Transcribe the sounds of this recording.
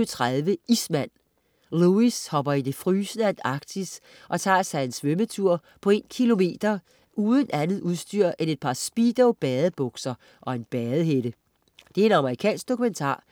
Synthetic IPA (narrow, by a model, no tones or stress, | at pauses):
t͡sʰʁaðˠʋəismæn̰ | luishɒ̽b̥ɐid̥e̝fʁyːsnəænd̥ɑ̈ɡ̥̚d̥is | ʔɒ̽t͡sʰɑ̰̈ːsɑɪe̝nsʋømət͡sʰuɐ̰ | pʰɒ̽e̝ːnkʰilo̝me̝̰ːd̥ɐ | uːð̞ˠən̩ʔænð̞̩ˠuð̞ˠsd̥yɐ̰ʔene̝d̥̚pʰɑ̈sb̥iːd̥ɔʊb̥ɛːð̩ˠb̥ɔ̽ɡ̥sɐ | ʔɒ̽e̝nb̥ɛːð̩ˠɦed̥ə | d̥e̝æɐe̝nɑ̈məʁikʰɛ̰ːnsɡ̥d̥o̝kʰument͡sʰɑ̰̈ː